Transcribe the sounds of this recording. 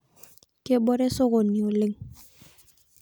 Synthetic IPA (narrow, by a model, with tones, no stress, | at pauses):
ke˦ɓo˦ɾe˦so˦ɣo˨ni˨o˨le˦ŋ